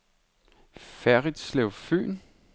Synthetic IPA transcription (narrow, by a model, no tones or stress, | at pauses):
fæɐʁid̥sleʊfø̰ːn